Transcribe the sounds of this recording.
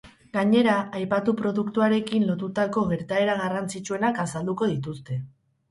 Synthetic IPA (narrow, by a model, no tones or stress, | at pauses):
ɡaɲe̞ɾaajpat̪upɾo̞ðukt̪uaɾe̞kinlo̞t̪ut̪ako̞ɣe̞ɾt̪ae̞ɾaɣ̞arant͡sit͡ʃue̞nakasald̪uko̞ðit̪ust̪e̞